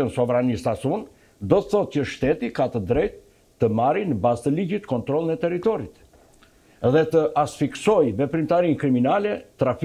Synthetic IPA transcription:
ənsɔvɾanist̪asun | d̪ɔt̪əθɔt̪̚cəʃt̪ɛt̪ikat̪əd̪ɾɛjt̪ː | əmaɾinəbazt̪əliɟit̪kɔnt̪ɾɔlˠənɛt̪ɛɾit̪ɔɾit̪ | ðɛt̪əʔasfiksɔjvɛpɾimt̪aɾinkɾiminalɛt̪ɾaf

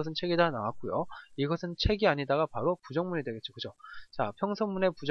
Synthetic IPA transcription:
ʌsʰɯnt͡ɕʰe̞ɡidana̰wak͈ujo̰iɡʌsʰɯnt͡ɕʰe̞ɡiaɲidaɡapaɾopud͡ʑʌŋmuɲidwe̞ɡet͡ɕ͈o̥kɯd͡ʑot͡ɕapʰjʌŋsʰʌŋmune̞pud͡ʑ

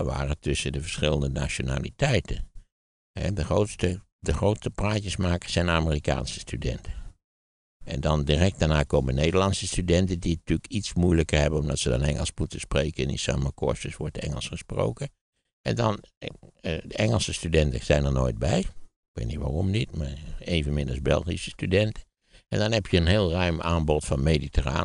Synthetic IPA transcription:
ʋa̰ːrəətʏsədəvəɹsχɪlˠəndəna̰t͡ʃona̰ːlḭtɛjtən | hɛ̰dəxrowtstə | dəχrowtstəpraːcəsmaːkəz̥ɛjnaːmərika̰ːnsə̥stydɛ̰ntʰə | ɛ̰ndɑndirɛk̚t̚d̥aɹnaːkowmənejdəlɑnsəstydɛntəditykitsmujləkərhɛbənɔmdɔtsədɔ̰nɛ̰ŋə̰lˠsmutəspreːkənḭsa̰ːmakʰɔ̰ɹstəsʋɔɹtɛ̰ŋəlˠsχəspro̰wkə | ʔɛndɑn | dəɛŋəlˠsəstydɛntəz̥ɛjnəɹno̰ːjd̚bɛjɪk̚ʋḛːtnitʋa̰romnitmaːɹeːvənmɪnɑsbɛ̰lˠxisə̥stydɛntə | ɛndɔnhɛpjəənɦeːlˠrœɥmaːnbɔtfɑnmeditʰəra̰ː

